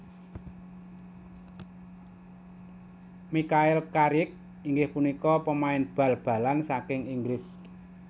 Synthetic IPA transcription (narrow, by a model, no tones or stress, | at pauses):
mikaɪlkaɾɪk̚ | iŋɡɪhpunikɔpəmaɪnb̥a̤lb̥ä̤lansakɪŋiŋɡɾɪs